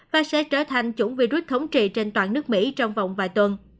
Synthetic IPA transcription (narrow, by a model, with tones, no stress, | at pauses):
vaː˨˩sɛ̰˧˥t͡ɕəː˧˩t̪ʰa˨˩jŋ̟t͡ɕʊ̰˧˩ŋ͡mvi˧˩zwi˦˥t̚t̪ʰə˨˦wŋ͡mt͡ɕḭ˧˨t͡ɕe˧nt̪waː˨˩nɨ˦˥ək̚mḭ˧˥t͡ɕɔ˧wŋ͡mva˨˩wŋ͡mvaː˨˩jt̪wə˨˩n